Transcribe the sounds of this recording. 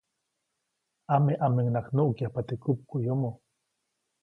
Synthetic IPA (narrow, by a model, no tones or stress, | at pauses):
ameʔameŋnaknoʔkjapat̪ekup̚kujomo